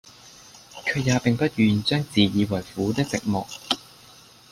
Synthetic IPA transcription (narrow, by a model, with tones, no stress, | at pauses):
kʰɵ˨˧ɥjaː˨˧pɪ˨ŋpɐ˥t̚jyː˨nt͡ʃœː˥ŋt͡siː˨˩jiː˨˧wɐ˨˩jfuː˨˥t̪ɪ˥k̚t͡sɪ˨k̚mɔ̰ː˨k̚